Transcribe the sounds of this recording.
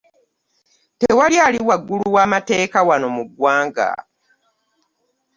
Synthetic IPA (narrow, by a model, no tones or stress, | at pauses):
tewaljaːliwaɡːuluwaːmate̞ːkawano̞muɡwaːŋɡa̰